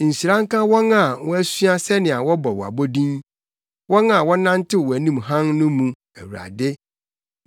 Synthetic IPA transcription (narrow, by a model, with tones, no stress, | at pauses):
n̩˨si˨ɾã˦ŋ˦kã˦wɔ̃˦na˨wɔ̃˦æ˦sɥa˦sɛ˦nɪ̃˨a˨wɔ˦bɔ˨wɔ˨a̰˨bo˦dĩ˦n | wɔ̃˦na˨wɔ̃˦nã˦n˦tʰɪ˦wɔ˨æ˨nĩ˦mɦã˦ŋnʊ̃˦mũ˨ | æ˨wu˨ɾa̰˨dɪ˦